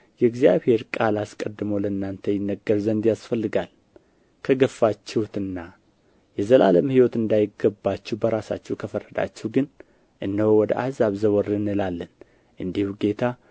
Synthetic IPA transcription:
jɛɨɡzijaβhe̞ɾkʼalaskʼəd̪ːɨməwləɨnːant̪ʰəjɪnːəɡːəɾzənd̪jasfəlːɨɡal | kʰəɡəfːat͡ʃːɛwt̪ɨnːa | jɛzəla̰ləmhiwɔt̪ɨnd̪ajɪɡəbːat͡ʃːɛwbəɾasa̰t͡ʃːɛwkʰəfərːəd̪a̰t͡ʃːɛwɡɨn | ʔɨnːəwowɔd̪əʔahzaβzəwɔɾɨnɨlalːən | ʔɨnd̪ihuɡe̞t̪ʰa

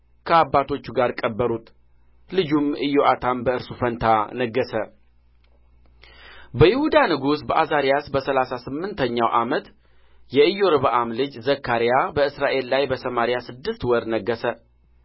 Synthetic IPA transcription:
kʰəabːat̪ʰo̞t͡ʃːuɡaɾkʼəbːəɾut̪ | lɨd͡ʒumʔɨjoʔat̪ʰambəɨɾsufənt̪ʰanəɡːəsə | bəjɪhud̪anɨɡusbəʔazaɾijasbəsəlasasɨmːɨnt̪ʰəɲːawʔamət̪ | jɛɨjːo̞ɾɨβaʔamlɨd͡ʒzəkʰːaɾijabəɨsɾaʔe̞lːajbəsəmaɾijasɨd̪ːɨst̪wɔɾnəɡːəsə

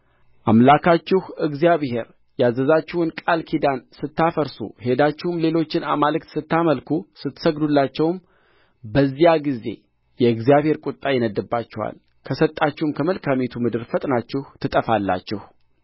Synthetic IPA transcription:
ʔamlakʰat͡ʃːɪhɨɡzijaβhe̞ɾ | jazəzat͡ʃːɪhɨnkʼalkʰid̪ansɨt̪ːafəɾsṵhe̞d̪at͡ʃːɪhumle̞lo̞t͡ʃːɪna̰malɨkt̪sɨt̪ːaməlkʰusɨt̪ːsəɡd̪ulːat͡ʃːɛwm | bəzːijaɡize̞̰ | jɛɨɡzijaβhe̞ɾkʼʊt̪ʼːajɛnəd̪ːɨbːat͡ʃːɛwa̰l | kʰəsət̪ʼːat͡ʃːɪhumkʰəməlkʰamet̪ʰumɨd̪ɨɾfət̪ʼnat͡ʃːɪht̪ʰɨt̪ʼəfalːa̰t͡ʃːɪh

